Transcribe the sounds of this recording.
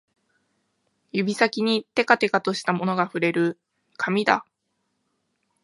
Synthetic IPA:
jɯ̟bʲisakʲiɲ̟it̪e̞kat̪e̞kat̪o̞ɕi̥t̪amo̞no̞ɡaɸɯ̟ɾe̞ɾɯ̟ | kʰamʲid̪a̰

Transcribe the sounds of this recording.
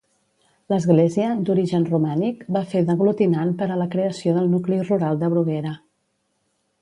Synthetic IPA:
ləzɣleziəd̪uɾiʒənrumanikbafeðəɣlut̪inanpəɾələkɾeəsioðəlˠnukliruɾalˠd̪əβɾuɣeɾə

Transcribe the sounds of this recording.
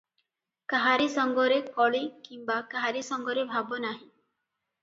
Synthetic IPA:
kaɦaɾisɔŋɡɔɾekɔɭikimbakaɦaɾisɔŋɡɔɾebʱabɔnaɦĩ

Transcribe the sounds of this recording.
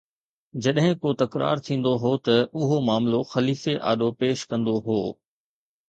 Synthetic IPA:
d͡ʑɐɗɦɪ̃kot̪ɐkɾa̰ːɾt̪ʰĩːn̆d̪oɦoːt̪ɐʊɦomaːmloxɐliːfeʔa̰ːɗopeːʃkɐ̃nd̪oɦoː

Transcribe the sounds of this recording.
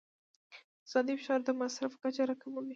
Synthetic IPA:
z̥ɑd̪ifʃɑɾd̪əmasɾafkat͡ʃaɾakamali

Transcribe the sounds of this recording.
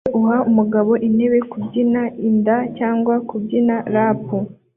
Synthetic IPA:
ʔuɦaumuɡaβo̞ʔine̞βe̞kubɟinaindacaːŋɡwakubɟinaɾapu

